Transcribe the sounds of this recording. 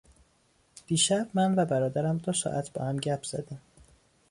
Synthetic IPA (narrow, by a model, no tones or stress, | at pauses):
d̪̥iːʃæbmænvæbæɾɒːd̪æɾæmd̪osɒ̰ːʔæt̪ʰb̥ɒ̰ːhæmɟæpʰz̥æ̰d̪æm